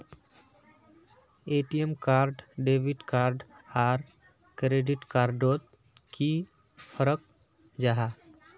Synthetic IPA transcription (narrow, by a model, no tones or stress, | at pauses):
eʈiemkaːɾɖɖebiʈkaːɾɖaːɾ | kɾeɖiʈkaɾɖot̪̚ | ki | pʰəɾək̚ | d͡ʒaɦa